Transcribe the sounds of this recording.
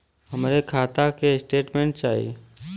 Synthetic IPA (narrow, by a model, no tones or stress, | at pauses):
ɦəmɾekʰaːt̪akeɪsʈeːʈmẽɳʈt͡ʃaːḭ